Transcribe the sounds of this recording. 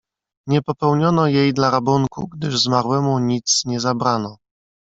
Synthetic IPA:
ɲɛpɔpɛwɲɔnɔjejd̪laɾabuŋkṵɡd̪ɘʐzmaɾwɛmuɲit̪sɲɛzabɾanɔ

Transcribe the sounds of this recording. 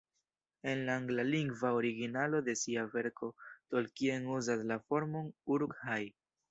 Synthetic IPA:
e̞nlaːŋɡlaliŋɡvaoɾiɡinalo̞de̞siave̞ɾkʰo̞tolkienuzaslafo̞ɾmo̞nuɾkhaj

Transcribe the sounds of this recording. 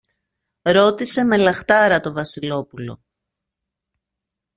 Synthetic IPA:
ɾo̞t̪ise̞me̞lɐxt̪ɐɾɐt̪o̞vɐsilo̞pulo̞̰

